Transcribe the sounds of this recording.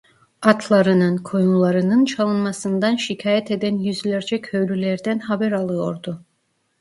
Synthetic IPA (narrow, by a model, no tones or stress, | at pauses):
at̪ʰlˠaɾɯnɯnkʰo̞julˠaɾɯnɯnt͡ʃʰalˠɯnmasɯnd̪anʃicʰaːjɛt̪e̞d̪ænjyzlʲæɾd͡ʒɛkʰøɥɾylʲɛɾd̪ænɦabæɾalˠɯjo̞ɾd̪u